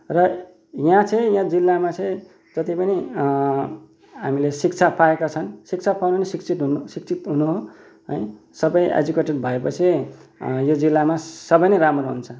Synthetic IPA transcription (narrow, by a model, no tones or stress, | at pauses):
rʌ | jãt͡sʰʌ̃ĩjãd͡zilːamat͡sʌ̃ĩ | d͡zʌt̪ipʌni | ɦamilesik̚t͡sʰapʰaekat͡sʰʌnsik̚t͡sʰapʰawnonesikt͡sʰit̪ɦunsikt͡sʰit̪ɦunuɦo | ɦʌj | sʌbʌjʔḛd͡zukeʈʌrbʱʌepʌt͡sʰi | jod͡zilːamasʌbʌjnʌɾamroɦunt͡sʰʌ